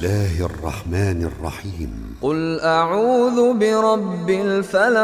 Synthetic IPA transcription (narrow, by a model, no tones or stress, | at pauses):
aːhʔrˤːɑ̰ħmaːnɑrˤːɑ̰ħiːm | qʊlʔaʕuːðʊbɪɾˤɑbːɪlfala